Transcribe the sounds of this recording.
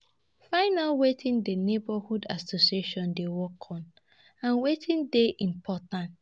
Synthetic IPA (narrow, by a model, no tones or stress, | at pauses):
fãɪnalwetʰĩndenebahudasosieʃɔ̃ndewɔkʰɔ̃n | ãnwetʰĩndeʔĩnpʰɔtãn